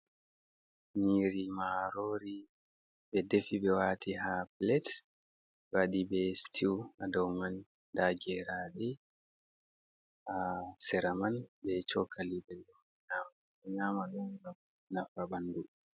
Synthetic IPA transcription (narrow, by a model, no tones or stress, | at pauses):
niɾimaaɾoɾi | bɛdefiɓɛwaːtiɦaplɛt | waɗibɛstʰiwadɔwman | daɡɛɾaɗɛ | asɛɾamanbɛt͡ʃɔkʰalibɛlɗɔ | ɲama | ɲamaɗɔŋɡam | nafabandu